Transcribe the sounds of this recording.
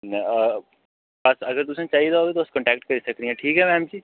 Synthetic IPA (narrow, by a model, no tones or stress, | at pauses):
nɛəː | bɐsɐɡəɾt̪̬ʊsẽt͡ʃaːɦid̪aɦoːɡet̪oʊskɐ̃ɳʈɛːk̚ʈ̚kɐɾisɐkd̪ĩɦɛ̃ʈʰiːkɦɛmɛ̃ːmd͡ʒiː